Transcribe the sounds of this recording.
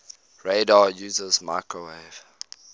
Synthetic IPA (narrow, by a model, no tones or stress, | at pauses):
ɹeɪdɑjuːzəzma̰ɪkoweɪv̥